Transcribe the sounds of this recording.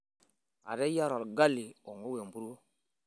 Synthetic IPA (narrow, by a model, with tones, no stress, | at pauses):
a̰˨ɾɛ˦ja˦ɾɔ˨ɾɡa˦li˨ɔ˨ŋo˦we˨mbu˦ɾo˦